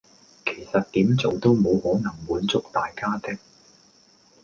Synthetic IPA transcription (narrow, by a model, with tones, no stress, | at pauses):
kʰe˨˩jsɐ˨t̚t̪iː˨˥mt͡so˨wt̪o˥wmo˨˧whɔː˨˥nɐ˨˩ŋmuː˨˥nt͡sʊ˥k̚t̪aː˨jkaː˥t̪ɪ˥k̚